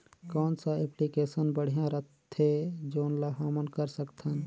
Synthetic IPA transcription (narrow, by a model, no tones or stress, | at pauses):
kɔːnsaeplikeːsənbəɽ̤ijãɾət̪ʰːed͡ʒoːnlaɦaːmənkəɾsəkt̪ʰən